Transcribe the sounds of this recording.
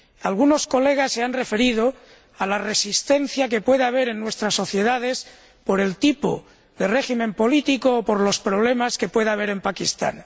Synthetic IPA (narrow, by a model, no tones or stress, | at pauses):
alɣuno̞skole̞ɣ̞asːe̞anre̞fe̞ɾið̞o̞ | alare̞sist̪e̞n̟θjak̬e̞pwe̞ðaβ̞e̞ɾe̞nːwe̞st̪ɾasːo̞θje̞ðað̞e̞s | po̞ɾe̞lt̪ipo̰ | ðe̞re̞ximẽ̞mpo̞lit̪ikoːpo̞ɾlo̞spɾo̞β̞le̞maske̞pwe̞ðaβ̞e̞ɾe̞mpakist̪a̰n